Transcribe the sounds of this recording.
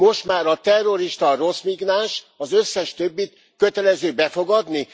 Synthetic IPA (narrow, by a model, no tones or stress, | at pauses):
mo̞ʃt̪maːɾɒt̪ɛrːo̞ɾiʃt̪ɒro̞smiɡnaːnʃ | ɒzøsːɛʃt̪øbːit̪ | kø̞t̪ɛlɛzøːbɛfo̞ɡɒd̪ni